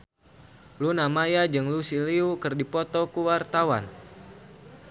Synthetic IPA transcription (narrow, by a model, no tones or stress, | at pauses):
lunamajad͡ʒɨŋlusiliukɨrdipɔt̪ɔkuwart̪awa̰n